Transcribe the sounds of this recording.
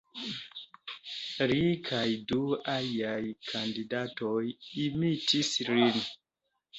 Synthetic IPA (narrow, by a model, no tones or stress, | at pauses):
ɾikʰajdualiajkʰandidatojimitislin